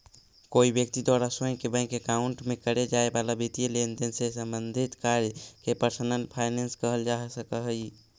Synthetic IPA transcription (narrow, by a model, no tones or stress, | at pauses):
koibjək̚t̪id̪waɾasõjkebə̃kekauɳʈmekəɾed͡ʒaebalabit̪ijəlend̪ensesəmbənd̪ʱit̪kaɾjkepəɾsənənpʰajnenskəɦəld͡ʒaɦsəkəɦəj